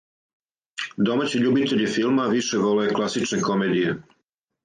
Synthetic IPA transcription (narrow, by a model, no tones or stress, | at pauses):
d̪o̞maːt͡ɕiʎubit̪eʎifilˠmaʋiʃe̞ʋo̞leeklˠasit͡ʃneko̞med̪ije